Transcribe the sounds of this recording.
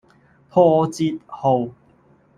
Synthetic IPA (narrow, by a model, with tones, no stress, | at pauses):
pʰɔː˧t͡si˧t̚ho˨˩w